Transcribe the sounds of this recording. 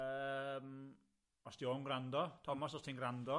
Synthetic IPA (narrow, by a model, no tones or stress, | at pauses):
əm | ɔsd̥ioːnɡɾandɔtʰɔmasɔstʰinɡrandɔ